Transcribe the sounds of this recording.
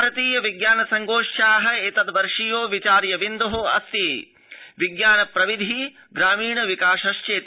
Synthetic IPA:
ɾɐt̪iːjɐʋiɡjaːnɐsɐŋɡoːʃaːɦɐ̆et̪ɐd̪ʋɐɾʂijoːʋit͡ʃaːɾjɐʋind̪oɦoɐ̰st̪eː | ʋiɡjaːnɐpɾɐʋid̪ʱi | ɡɾaːmiːɳɐʋikaːʃɐʃt͡ʃeːt̪

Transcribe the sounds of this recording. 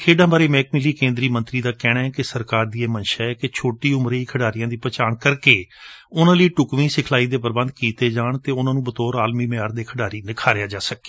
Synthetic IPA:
kʰeːɖãːbaːɾeːmɛ̃ːk̚mɪliːkẽːnd̪ɾiːmə̃nt̪ɾiːd̪aːkɛːɽ̃aːɛkɪsəɾkaːɾd̪iːeːmənʃaːɛːkɪt͡ʃʰoːʈiːʊmɾəiːkʰəɖaːɾɪjãːd̪iːpət͡ʃaːnkəɾkeːʊnãːləiːʈʊkʋĩːsɪkʰlaːiːd̪eːpəɾbə̃nd̪kiːt̪eːd͡ʒaːɳt̪eːʊnãːnũːbət̪ɔːɾaːlmiːmeaːɾd̪eːkʰəɖaːɾiːnɪkʰaːɾejaːd͡ʒaːsəke̥ː

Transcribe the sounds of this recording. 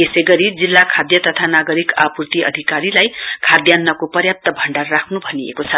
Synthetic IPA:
esʌjɡʌɾid͡zilːakʰad̪jʌt̪ʌt̪ʰanaɡʌɾikapurt̪iʔʌ̰d̪ʱikaɾilajkʰad̪janːʌkopʌrjap̚t̪ʌbʱʌɳɖarːakʰnubʱʌniḛkot͡sʰʌ

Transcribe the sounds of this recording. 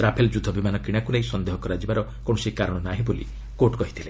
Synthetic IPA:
ɾapʰeld͡ʒud̪ʱɔbimanɔkiɽ̃akulaisɔnd̪eɦɔkɔɾad͡ʒibaɾɔ | kõɔsikaɾɔɽ̃ɔnaɦĩbolḭ | koʈkɔɦit̪ʰile

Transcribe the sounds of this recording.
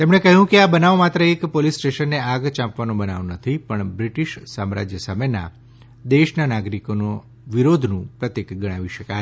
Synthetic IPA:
t̪emɳ̃ekəɦjũkeabənaʋmat̪ɾəekpolisːʈeʃənːeaɡt͡ʃãpʋanõbənaʋnət̪ʰipəɳbɾiʈiʃsamɾa̰d͡ʒjəsamena̰ | d̪eʃnanaɡɾikono | ʋiɾod̪ʱnũpɾət̪ekɡəɽ̃aʋiʃəka

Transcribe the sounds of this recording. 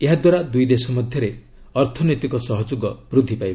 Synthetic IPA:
eɦad̪waɾad̪ujd̪esɔmɔd̪ʱjɔɾe | ɔɾt̪ʰɔnojt̪ikɔsɔɦɔd͡ʒuɡɔb̥ɾud̪ʱːipajb

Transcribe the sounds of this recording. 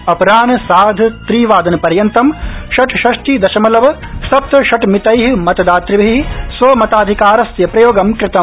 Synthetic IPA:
ɐpɾaːnɐsaːd̪ʱt̪ɾiːʋaːd̪ɐnpɐɾjɐnt̪ɐmʃɐʈʃɐʂʈiːd̪ɐʃɐmɐlɐʋɐ | sɐp̚t̪ɐʃɐʈmit̪ɐjɦimɐt̪ɐd̪aːt̪ɾibiɦiɦisʋɐmɐt̪aːd̪ʱikaːɾɐsjɐpɾɐjoːɡɐmkɾɪt̪ɐ

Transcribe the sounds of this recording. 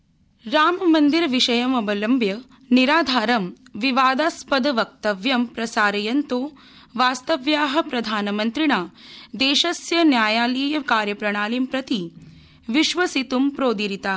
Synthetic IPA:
ɾaːmɐmɐnd̪iɾʋiʃɐjɐmɐbɐlɐmbjɐ | niɾaːd̪ʱaːɾɐmʋiʋaːd̪aspɐd̪ɐʋɐk̚t̪ɐʋjɐmpɾɐsaːɾɐjɐnt̪oː | ʋaːst̪ɐʋjaːɦɐ̆pɾɐd̪ʱaːnɐmɐnt̪ɾiɳaːd̪eːʃɐsjɐnjaːjaːliːjɐkaːɾjɐpɾɐɳaːlimpɾɐt̪i | ʋiʃʋɐsit̪umpɾoːd̪iɾit̪aː

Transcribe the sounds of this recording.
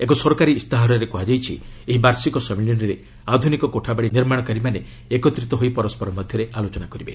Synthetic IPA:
ekɔsɔɾkaɾiːst̪aɦɔɾɔɾekoɦad͡ʒajt͡ʃʰieɦibaɾsikɔsɔmiljiniɾe | ad̪ʱunikɔkoʈʰabaɽiniɾmaɽ̃ɔkaɾimane | ekɔt̪ɾit̪ɔɦojpɔɾɔspɔɾɔmɔd̪ʱjɔɾealot͡ʃɔnakɔɾibḛ

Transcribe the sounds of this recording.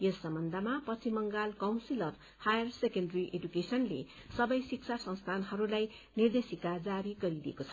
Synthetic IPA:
jesːʌmbʌnd̪ʱamapʌt͡sʰimʌŋɡalkawnsilʌb | hajʌrsekenɖʌriʔedukesʌnlḛ | sʌbʌjsiksʰasʌ̃ŋ̃st̪ʰanɦʌɾulaj | nird̪esikad͡zaɾiɡʌɾidiḛkot͡sʰʌ̥

